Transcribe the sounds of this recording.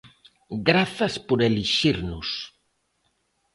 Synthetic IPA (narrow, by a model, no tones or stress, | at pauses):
ɡɾaθɐspoɾeliʃiɾnʊs